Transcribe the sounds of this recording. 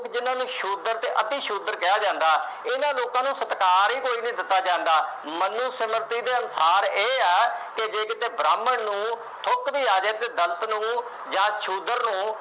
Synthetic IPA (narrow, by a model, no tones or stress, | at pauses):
kd͡ʒɪnãːnũːʃuːd̪əɾt̪eːʔət̪iːʃuːd̪əɾkɪjaːd͡ʒãːnd̪aː | ɪnãːloːkãːnũːsət̪kaːɾiːkoːiːnĩːd̪ɪt̪ːaːd͡ʒãːnd̪aːmənːũːsəməɾt̪iːd̪eːənsaːɾeːɛːked͡ʒeːkɪt̪eːbɾaːməɳnũː | t̪ʰʊkd̪iːaːd͡ʒəd̪eːd̪əlt̪nũː | d͡ʒãːʃʰuːd̪əɾnũː